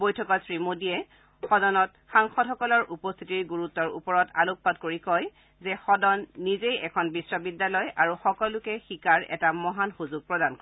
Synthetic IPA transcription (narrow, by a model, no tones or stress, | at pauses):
bojtʰɔkɔtsɹimodiɛ | xɔdɔnɔt | xaŋxɔtxɔkɔlɔɹʔupɔst̪ʰitiɹɡuɹutːɔɹṵpɔɹɔta̰luk̚padkoɹikɔj | zɛxɔdɔnːizejɛkʰɔnbisɹɔbidːalɔjaɹuxɔkɔlʊkɛxikaɹɛ̰tamɔɦanxuzʊɡ̚pɹɔdankɔ